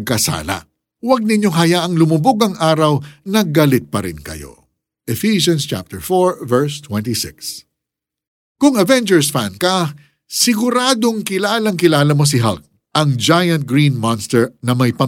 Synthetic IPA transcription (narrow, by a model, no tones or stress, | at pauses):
ɡ̚kɐsa̰ːlɐ̰ | wɐɡ̚nɪɲjo̞ŋɦɐjaʔɐŋlʊmuboɡɐŋʔaːɾɐwnɐɡɐlɪt̪̚pɐɾɪ̰nkɐ̰jo̰ | ʔɛfiʃɐ̃nst͡ʃa̰p̚t̪ɛɹfoɹvɛɹst̪wɛ̃nt̪isɪks | kʊŋɐvɛnd͡ʒɛɹsfankɐ | sɪɡʊɾaːd̪o̞ŋkɪlaːlɐŋkɪlaːlɐmo̞s̬ɪɦɐ̰lk̚ | ʔɐŋd͡ʒajɐ̃nt̪̚ɡɹinmanst̪ɛɹnɐmɐjpɐ